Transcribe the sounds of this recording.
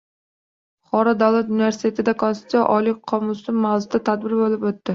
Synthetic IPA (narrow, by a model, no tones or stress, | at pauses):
χɒɾɒd̪awlˠat̪univeɾsɪ̥t̪ʰe̞t̪ɪd̪akʰonsʊt̪sja̰ʔɒlɪqʰɒmʊsɪmmːawzʊzd̪at̪ʰad̪̚bɪɾbolɪpot̪ːɪ